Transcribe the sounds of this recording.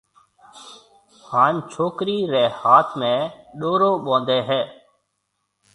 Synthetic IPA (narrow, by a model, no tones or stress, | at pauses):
haːnt͡ʃʰoːkɾiːɾeːhaːt̪ʰmẽːɗoːɾoːɓõːnd̪eːɦɛː